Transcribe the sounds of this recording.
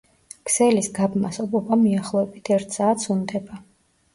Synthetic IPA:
kʰsɛlisɡabmasɔbɔbamiaχlˠɔɛbit̪ʰɛɾt̪ʰsaːt̪sund̪ɛba

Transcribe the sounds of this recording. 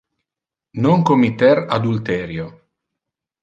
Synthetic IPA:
noŋkomit̪ɛɾad̪ult̪ɛːɾjo

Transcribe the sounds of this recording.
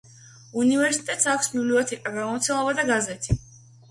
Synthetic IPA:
univɛɾsi̥t̪ʼɛt̪ʼsakʷʰsbibliɔt̪ʰɛkʼaɡamɔmt̪sʰɛlˠabad̪aɡazɛt̪ʰi

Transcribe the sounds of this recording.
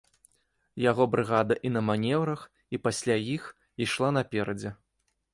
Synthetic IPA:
jaɣɔbɾɨɣad̪ɐʔinɐmanʲɛwɾɐx | ipasʲlʲajix | iʂlˠan̪ɐpʲɛɾɐd͡zʲɛ

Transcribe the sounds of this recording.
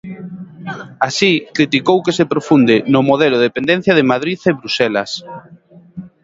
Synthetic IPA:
asikɾit̪ikowkesepɾofund̪ɪnʊmoðelʊðepend̪en̟θjaðɪmaðɾiθeβɾusɛlas

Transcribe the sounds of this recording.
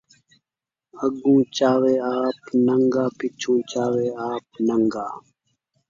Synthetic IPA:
əɡũːt͡ʃaːʋeːaːpnəŋɡaːpɪt͡ʃʰũːt͡ʃaːʋeːaːp̚nəŋɡaː

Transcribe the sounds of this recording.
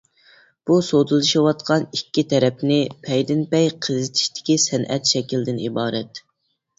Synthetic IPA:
b̥usod̪ɨlˠɨʃiwɑt̪qʰɑnikʲːit̪ʰɛɾɛpnɪpʰɛjd̪ɪnpɛjqʰəzɪt̪ʰi̥ʃt̪ɪ̥kʲisɛnʔɛ̰t̪ʃɛkʲild̪ɪnibɑːɾɛt̪

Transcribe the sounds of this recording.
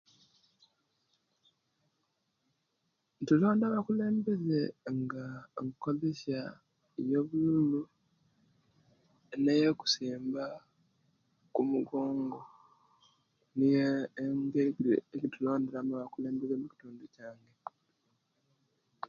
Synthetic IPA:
ntulo̞ːndaβakule̞ːmbe̞ze̞ŋɡaŋko̞ze̞sa | jeβululu | nejeku̥siːmba | kumuɡo̞ːŋɡo̞ | niŋɡeiɡḛeɟitulo̞ːnde̞ɾamuaβakule̞ːmbe̞ze̞muci̥tuːnducaːŋɡe̞

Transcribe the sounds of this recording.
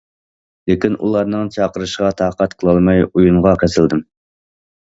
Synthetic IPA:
lɪkʲinʔṵlˠɑɾnɨŋt͡ʃʰɑqəɾɨʃʁɑt̪ʰɑːqɑt̪qʰəlˠɑlˠmɑjujuɴʁɑkʲʰɛsɪld̪ɪm

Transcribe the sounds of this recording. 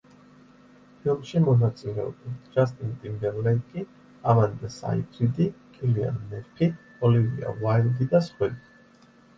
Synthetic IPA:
pʰilˠmʃimɔnat̪sʼilɛɔ̰bit̪d͡ʒas̬t̪ʼint̪ʼimbɛɾlɛnkʼi | amand̪asa̰it̪ʰɾid̪ikʼilia̰nːɛɾpʰi | ɔlivḭa̰vajlˠd̪id̪asχwɛd̪i

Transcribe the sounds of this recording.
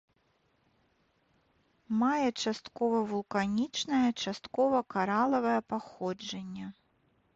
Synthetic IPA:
majɛt͡ʂast̪kɔvɐvulˠkanʲit͡ʂnɐjɐt͡ʂast̪kɔvɐkaɾalˠɐvɐjɐpaxɔd͡ʐɐnʲːɐ

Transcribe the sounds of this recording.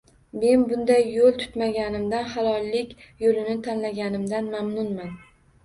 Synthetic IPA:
me̞nbʊnd̪ajːolˠt̪ʰʊ̥t̪maɡʲanɪmd̪anhalˠɒlːɪkʲjolɪnɪt̪ʰanlaɡʲanɪmd̪anmamnʊnman

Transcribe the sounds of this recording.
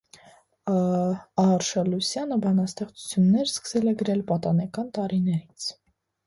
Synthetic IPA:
ɑɾʃɑlusjɑnəbɑnɑst̪ɛχt͡su̥t͡sʰjunːɛɾskə̥sɛlɛɡəɾɛlpɑt̪ɑnɛkɑnt̪ɑɾinɛɾit͡sʰ

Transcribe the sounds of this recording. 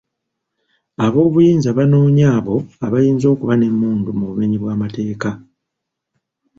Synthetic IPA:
aβo̞ːβujiːnzaβano̞ːɲaːβo̞aβajiːnzo̞ːkuβane̞mːuːndumuβume̞ɲiβwaːmate̞ːka

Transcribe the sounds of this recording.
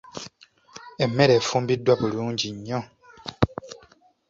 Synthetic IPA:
ɛmɛɾɛfumbidwapuɾund͡ʒiɲɔ̃

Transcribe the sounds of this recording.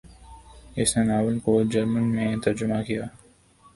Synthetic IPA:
ɪsnenaːʋɪlkod͡ʒɐɾmənmẽt̪ɐɾd͡ʒʊmakijaː

